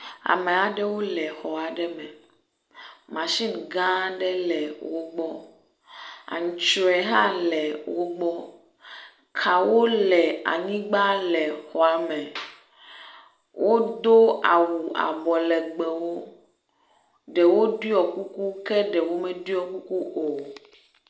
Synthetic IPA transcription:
a̰˨mɛ̃˨a˨ɖɛ˦wo˦lɛ˨xɔ˨a˨ɖɛ˦mɛ̃˨ | mã˨ʃi˦nɡã˦ɖɛ˦lɛ˨wo˦ɡ͡bɔ˦ | a̰˨ɲũ˨t͡ʃɔ˨ɛ˨ɦã˦lɛ˨wo˦ɡ͡bɔ˦ | kʰa˨wo˦lɛ˨a̰˨ɲĩ˦ɡ͡ba˦lɛ˨xɔ˨a˨mɛ̃˨ | wʔo˦d̪o˦a̰˨wu˨a̰˨bɔ˨lɛ˨ɡ͡bɛ˨wo˦ | ɖɛ˨wo˦di˦ɔ˨ku˦ku˦kɛ˦ɖɛ˨wo˦mɛ̃˦di˦ɔ˦˨ku˦ku˦ʔo˨

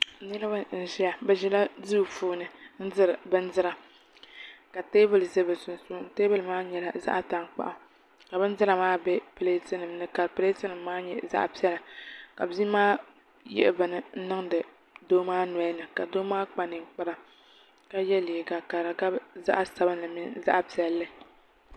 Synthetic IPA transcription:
nɨ˦lɨ˦ba˦n̩˨ʒɛ˦ja˨bɛ˦ʒɛ˦la˦du˦˨fuː˦nɨ˨n̩˦zɨ˦ɾɨ˨bɨ˦n˦zɨ˦ɾa˨ | ka˨teː˦bɨ˦lɨ˨zɨ˦bɨ˨sʊ˨n˨su˦n˦teː˦bɨ˦lmaː˦ɲɛ˨la˦za̰˦ʔta˨ŋk͡pa̰˨ʔʊ˨ | ka˨bɨ˦n˦zɨ˦ɾa˨maː˦bɛ˦pɨ˨le˦tɨ˦nɨ˨mnɨ˦ka˨pɨ˨˦le˦tɨ˦nɨ˨mːaː˦ɲɛ˨za̰˦ʔpi˦ɛ˦la˨ka˨bzi˦maː˦ | jɛ̰˦ʔbɨ˨nɨ˨n̩˦nɨ˦ŋdɨ˨ | doː˦maː˦nɛ˨˦nɨ˨ka˨doː˦maː˦k͡pa˨nɨ˨k͡pa˦ɾa˦ | ka˦jɛ˦li˨ɡa˨ka˨ɾa˨ɡa˦bza̰˦ʔa˦sa˨bɨ˦nɨ˨mi˦za̰˦ʔpi˨˦ɛ˨lːɨ˦

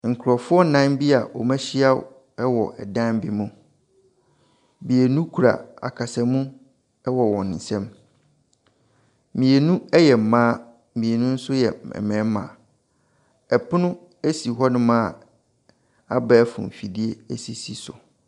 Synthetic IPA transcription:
ŋ̩˨kʰʊ˨ɾɔ˨fʊ˦ɔ˦nã˦nbi˦a˨ʔɔ̰˨mɛ̃˦ɕi˦a˦w | ɛ˦wɔ˨ʔɛ̰˨dã˦m˦bɪ˦mũ˦ | bi˨e˨nũ˦kʰu˨ɾa̰˨a̰˨kʰa˨sɛ˨mũ˦ | wɔ˨wɔ̃˨n˨n̩˨sɛ̃˦m | mĩ˨e˨nũ˦ɛ˦jɛ˨m̩˨mãː˦ | mĩ˨e˨nũ˦n̩˦sʊ˦jɛ˨ɛ̰˨mɛ̃˦mã̰˨ | ɛ˨pʰʊ˦nʊ̃˦ | æ˦si˨ɦɔ˦nʊ̃˦mã˦˨ | a˦bɛ˦fʊ̰̃˨m˨fi˨di˦e˦æ˦si˨si˨sʊ̰˨

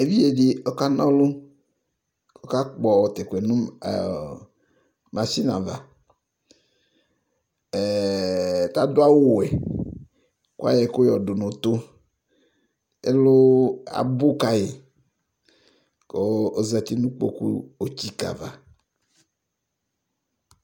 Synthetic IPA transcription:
e˦vi˦je˨di˦o˦ka˦nɔ̃˦lu˦ | o˦ka˦k͡pɔ˨wɔ˨t̪e˨ke˨nṵ̃˦˨ | ma˨si˦na̰˨va˨ | t̪a˦d̪o˦a˦wo˨we˨ | kṵ˦a̰˦jɛ˨ko˦jɔ˨ɖo˨nõ˨t̪o˦ | e˦lo˦a̰˨bo˦ka˨je˨ | ko˦o˦za˨t̪i˦nũ˦k͡po̰˦kṵ˦o˨t͡ɕi˦ka̰˨va˨

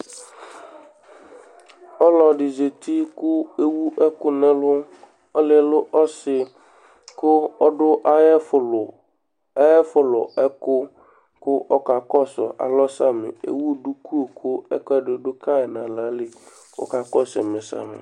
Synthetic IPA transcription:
ɔ˦lɔ˨ɖɪ˨ze˨t̪ʰi˦kʊ˦e˦wu˦ʔɛ˦kʊ˦nɛ̃˦lʊ˦ | ɔ˦lɪ˨lʊ˦ʔɔ˦sɪ˨ | kʊ˦ɔ˦dʊ˦ʔa˦˨l | ɛ˦fʊ˨lʊ˨ɛ˦kʊ˦ | kʊ˦ʔɔ˦ka˨kɔ˦sɔ̰˨ʔa̰˨lɔ˦sa˦mɪ̰˨ḛ˨wu˦o˦du˦ku˦o˨kʊ˦ɛ̰˦kɔ˦dɪ˨dʊ˦ka˦ɛ˨nã˨la˨˦lɪ˨ | ɔ̰˦ka˨kɔ˦sɛ̰˨mɪ̃˨sa̰˨mɪ̰˨

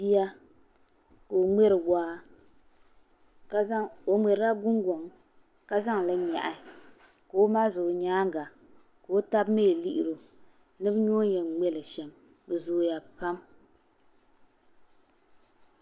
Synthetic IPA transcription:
bi˦ja˦ | ko˨o˨ŋ͡mɛ˦ɾɨ˨ɡʷaː˦ | ka˦o˨ŋ͡mɛ˨ɾɨ˦ɾa˦ɡʊ˦ŋɡo˨ŋ | ka˦za˦ŋ˨la˦ɲa̰˨ʔa˨˦ | ka˨o˦maː˦zʊ˨ʔʊ˨ɲaː˦ɡa˨ | ka˨o˦ta˦bme˦˨li˦ʔi˨ɾo˨ | nɨ˦bɨ˦ɲo˦ɲɛ˨ŋ͡mɛ˦lɨ˨ʃɛ˨m | bɨ˨zoː˨˦ja˨pa˦m

